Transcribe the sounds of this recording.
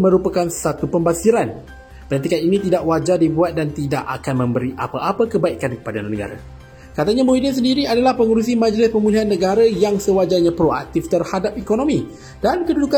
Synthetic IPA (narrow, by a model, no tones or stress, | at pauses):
mə̃ɾupakansat̪upəmbasiɾan | pənat̪ikaninĩt̪idaʔwad͡ʒardibuat̪̚dant̪idaʔa̰kanmə̃mbəɾiʔa̰paʔapakəbaiʔkankə̥padaanːəɡa̰ɾa̰ | kat̪aɲãmoidəns̬əndiɾiadalahpəŋuɾus̬imãd͡ʒlɪspəmuliɦanːə̃ɡaɾajaŋsəwad͡ʒaɲãpɾoa̰k̚t̪ift̪ərhadap̚ikonõmĩ | d̥ankəduduka